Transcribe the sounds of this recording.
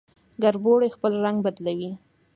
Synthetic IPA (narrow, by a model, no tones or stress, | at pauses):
ɡaɾboɽexpəlɾaŋɡbad̪lawi